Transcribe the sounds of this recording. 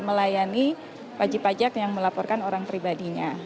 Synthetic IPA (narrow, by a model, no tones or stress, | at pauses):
məlajani | pad͡ʒipad͡ʒakjaŋməlapɔrkanoɾaŋpɾibadiɲa